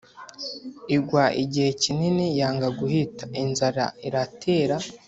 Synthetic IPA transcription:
iɡwaʔiɟihe̞cininijaːŋɡaɡuhitḁʔinzaɾa̰iɾatʰeːɾa

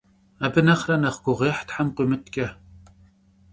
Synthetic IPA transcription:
abɨnɐχrɐnɐχɡʷʊʁeːħtħamqʷimɨtʰkʲʼɐ

